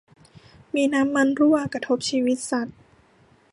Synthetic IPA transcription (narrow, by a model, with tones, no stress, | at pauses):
miː˧na˦˥mːa˧nɾu˥˩aː˧kɾa˧t̪ʰo˦˥p̚t͡ɕʰiː˧wi˦˥t̪̚sa˨˩t̪̚